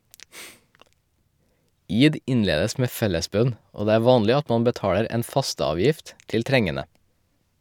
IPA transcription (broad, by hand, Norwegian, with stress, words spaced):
ˈiːd ˈɪnˌleːdəs ˈmeː ˈfɛləˌsbœn ˈoː ˈdeː ˈæː ˈʋɑːnlɪ ˈɑt ˈmɑm bəˈtɑːɽəɾ ˈeːn ˈfɑstəˌɑːʋjɪft ˈtɪl ˈtɾɛŋənə